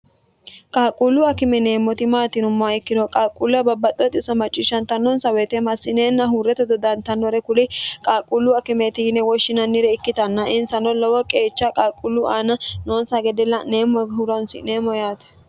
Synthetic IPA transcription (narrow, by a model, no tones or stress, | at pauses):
kʼaːkʼːulːʊɐkɪmɛneːmːɔt̪ɪmaːt̪ɪnʊmːɔaɪkːɪd̪ɔkʼaːkʼulɐbɐbːɐt̪ʼːɔt̪ʼɪʊsɐmɐt͡ʃʼːɪʃːɐnt̪ɐnːɔnsɐwɛt̪ɛmɐsːɪneːnːɐɦʊɾːɛt̪ɛd̪ɔd̪ɐnt̪ɐnːɔɾɛkʊlɪkʼaːkʼulːʊɐkɪmɛt̪ɪjɪnɛwɔʃːɪnɐnːɪɾɛɪkːɪt̪ɐnːɐʔɪnsɐnɔlɔwɔkʼeːt͡ʃːakʼaːkʼulːuʔaːnɐnoːnsɐɡɛd̪ɛlːɐneːmɔɦʊɾɔnsɪ̰neːmɔjaːt̪ɛ̥